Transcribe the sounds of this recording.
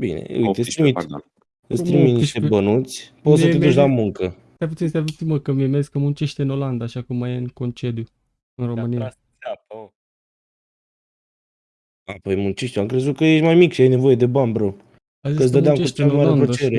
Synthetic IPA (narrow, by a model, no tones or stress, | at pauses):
bḭnḛḛit̪est̪ɾimit̪ | ɨst̪ɾiminiʃt̪ebənut̪sʲpot̪sət̪edd̪uʃlamuŋkə | t̪aput̪sinst̪avut͡s̪iməkəmemeiskəmunt͡ʃeʃt̪eɨnoland̪aːʃakumːajeɨŋko̞nt͡ʃe̞d̪ju | ɨnro̞mɨnijjas | apo | apojmunt͡ʃiʃt̪uamkɾe̞zut̪̚kəjeʃmajmikʃiajne̞vo̞je̞d̪e̞banbɾo | azikəs̬d̪əd̪eameʃemaɾeanɾət͡ʃeɾe